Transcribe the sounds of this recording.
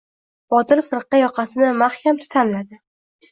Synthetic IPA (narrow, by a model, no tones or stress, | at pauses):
bɒt̪ɪɾfɪɾqɑjɒqʰɑsɪnɪmahkʲʰamt̪ʰʊ̥t̪ʰamlad̪ɪ